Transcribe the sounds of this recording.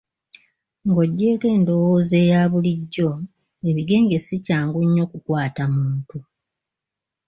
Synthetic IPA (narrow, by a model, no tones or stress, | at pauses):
ŋɡo̞ɟːe̞ːke̞ːndo̞woːze̞ːjaːβuliɟːo̞ | e̞βiɡe̞ːŋɡe̞sicaːŋɡuɲːo̞kukwaːtamuːntu